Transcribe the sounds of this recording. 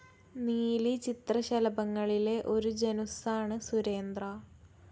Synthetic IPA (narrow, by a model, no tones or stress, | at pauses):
niːlit͡ɕit̪rɐɕɐlɐbɐŋːɐɭile̞ʔo̞ɾud͡ʑenusaːɳɨsuɾe̞ːnd̪rɐ